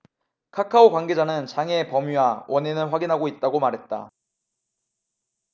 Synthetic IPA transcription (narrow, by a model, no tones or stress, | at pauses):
kʰakʰaokwaŋɡe̞d͡ʑanɯnt͡ɕaŋe̞pʌmiwawʔʌnenɯnɸwaɡinɦaɡoit̚t͈aɡomaɾɦe̞t̚t͈a̰